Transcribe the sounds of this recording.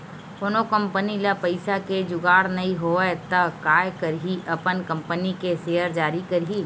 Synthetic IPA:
ponokɐ̃mpənilapɐɪsaked͡ʒʊɡaːɽnɐɦĩɦot̪ɐkaːjkɐɾɦiʔɐpənkɐ̃mpənikeseːəɾd͡ʒaːɾikɐɾɦiː

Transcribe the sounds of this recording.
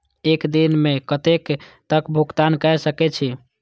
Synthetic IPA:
ekd̪inmekət̪ekt̪əkbʱukt̪ankɛjsəkɛt͡ʃʰi

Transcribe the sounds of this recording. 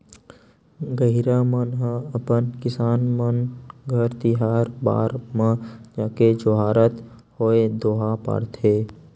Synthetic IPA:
ɡəɦiɾamənɦəəpənkɪsaːnmənɡʱəɾt̪ɪɦaːɾba̰ːɾmə̃d͡ʒaːked͡ʒoɦaːɾət̪ | hoːed̪oːɦapa̰ːɽt̪ʰeː

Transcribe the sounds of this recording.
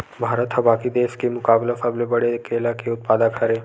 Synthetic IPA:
bʱaɾət̪ɦəbakid̪eskemukablasablebəɽekelakeut̪̚pad̪akʰaɾe

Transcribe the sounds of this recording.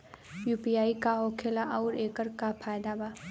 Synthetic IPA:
juːpiaːikaɦokʰelaʔɐʊɾeːkəɾkapʰaːjd̪abaː

